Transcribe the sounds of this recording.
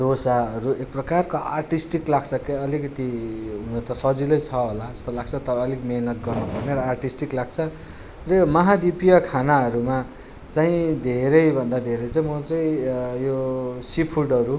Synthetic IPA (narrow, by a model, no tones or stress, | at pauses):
d̪ʱosaʌɾuek̚prʌkarkoʔa̰rʈisʈiklaɡsʰʌkeʌlikʌt̪iɦunʌt̪ʌsʌd͡zilʌjt͡sʰʌɦolad͡zʌst̪olaɡ̚t͡sʰʌt̪ʌɾʌːlikmeɦnʌt̪ɡʌrnupʌrneɾʌarʈisʈiklaɡ̚t͡sʰʌ | rʌmʌɦad̪ipijʌkʰanaʌɾuma | t͡saĩd̪ʱeɾʌjbʱʌnd̪ad̪ʱeɾʌjt͡saĩmʌt̪ʌjjosipʰuɖʌɾu